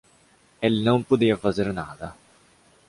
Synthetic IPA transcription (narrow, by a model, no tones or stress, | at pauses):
ɛlnompod̪iːafazeɾna̰ːd̪a